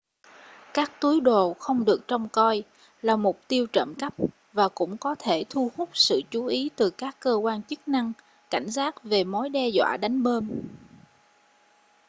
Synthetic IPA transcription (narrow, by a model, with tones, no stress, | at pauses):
kaː˦˥k̚t̪u˨˦əjɗo˨˩xə˧wŋ͡mɗɨ˨˩ək̚t͡ɕɔ˧wŋ͡mkɔ˧j | laː˨˩mʊ˨˩k͡p̚t̪i˧əwt͡ɕə̰˧˨mka˦˥p̚ | vaː˨˩kʊ̰˧˥ŋ͡mkɔ˨˦t̪ʰe˧˩t̪ʰu˧hʊ˦˥k͡p̚sɨ̰˧˨t͡ɕu˨˦ʔi˨˦t̪ɨ˨˩kaː˦˥kːəː˧kwaː˧nt͡ɕɨ˦˥k̚na˧ŋ | ka˧˩jŋ̟zaː˦˥t̚ve˨˩mo˨˦jɗɛ˧zwa̰ː˧˨ɗa˨˦jŋ̟ɓəː˧m